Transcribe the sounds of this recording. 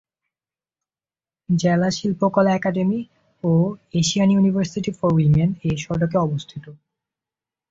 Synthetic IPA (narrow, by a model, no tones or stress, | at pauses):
d͡ʑelaʃilpokɔlaɛkaɖemi | oeʃianjunibʱaɾsiʈifɔɾwimeneʃɔɖokeɔbost̪ʰit̪o